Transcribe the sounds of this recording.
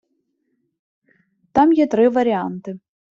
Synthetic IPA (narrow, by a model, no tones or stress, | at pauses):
t̪amjɛt̪ɾɨvɐɾʲɪant̪ɨ